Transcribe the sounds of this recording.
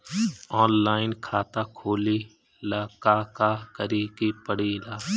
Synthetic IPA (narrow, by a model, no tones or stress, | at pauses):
ɔːnlaːɪnkʰaːt̪akʰoːli | laːkaːkakəɾikipəɽilaː